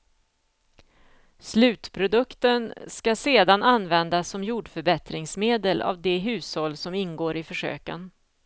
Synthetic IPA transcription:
slʉ̟ːt̪pʰɾʊd̪ɵkt̪ənskaseːd̪ananvɛnd̪asːɔmjuːɖfœɾbɛt̪ɾɪŋsmeːd̪əlʔa̰vd̪ɛɦʉ̟ːshɔlːsɔmɪnɡoːɾɪfœʂø̰ːkə̰n

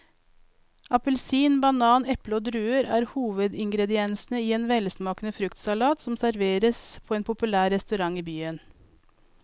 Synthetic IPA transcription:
ɑpəlsiːnbɑnɑːnɛpləoːd̪ɾʉːəɾæːɾhuːʋəd̪ɪŋɡɾɛd̪ɪɛnsnəiːeːnʋɛlsmɑːknəfɾʉkt̪sɑlɑːt̪sɔmsæɾʋeːɾəspʰoːeːnpʰʊpʉlæːɾɛst̪ʉɾɑŋiːbyːən

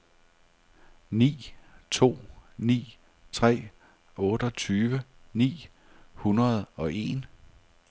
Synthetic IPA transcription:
nḭːt͡sʰo̝̰ːnḭː | t͡sʰʁɛ̰ː | ɔ̽ːɾ̥ɒ̽t͡sʰyːʋə | nḭː | hunʁɐð̞̩ˠɒ̽ʔe̝n

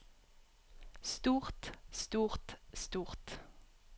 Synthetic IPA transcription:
st̪uːʁt̪st̪uːʁt̪st̪uːʁt̪

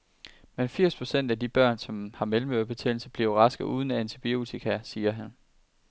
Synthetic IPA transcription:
menfiɐ̰spʰʁo̝sen̰d̥æd̥ib̥ɶɐ̰nsɒ̽mhɑ̈melm̩øɐb̥e̝t͡sʰḛːl̩səb̥liɐʊʁɑ̈sɡ̥əʔuːð̞ˠn̩ænt͡sʰib̥io̝̰ːt͡sʰikʰæsiːɐɦæn

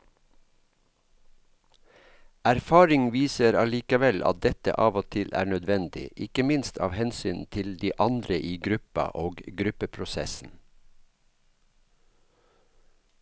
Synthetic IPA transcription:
æɾfɑːɾɪŋʋiːsəɾɑliːkəʋɛlʔɑ̰t̪̚d̪ɛt̪ə̰ʔɑːʋoːt̪ʰɪlʔæ̰ːɳœd̪ʋɛnd̪ɪ̰ʔɪkəmɪnst̪ʰɑ̰ːʋhɛnsyːnt̪ʰɪld̪iːʔɑnd̪ɾəʔiːɡɾʉpɑ̰ʔoːɡɡɾʉpəpʰɾʊsɛ̰sn̩

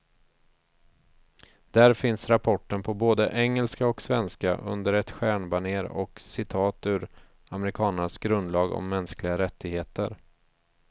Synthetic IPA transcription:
d̪̥æɾfɪnsɾapʰɔʈːənpʰɔboːd̪əʔɛŋːəlskaɔksvɛnska̰ʔɵ̰nd̪əɾɛt̪ɧæːɳbaɳeːɾɔ̰ksɪt̪ʰɑːt̪ʉ̟ːɾ | amɛɾɪkʰɑːnənasɡɾɵnd̪lɑːɡɔ̰mːɛnsklɪɡaɾɛt̪ːɪɡheːt̪ə̰ɾ

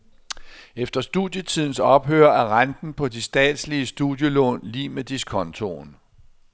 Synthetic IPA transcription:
efd̥ɐsd̥uðˠjət͡sʰiðˠn̩sɒ̽b̥ɦø̰ːɐæʁand̥n̩pʰɒ̽d̥isd̥ɛ̰ːd̥sliəsd̥uðˠjəlɔ̰ːnlḭːmed̥iskʰɒ̽nt͡sʰo̝̰n

